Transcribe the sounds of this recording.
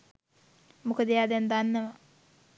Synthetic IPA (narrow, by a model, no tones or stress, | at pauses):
mukəd̪əjaːd̪end̪anːəʋa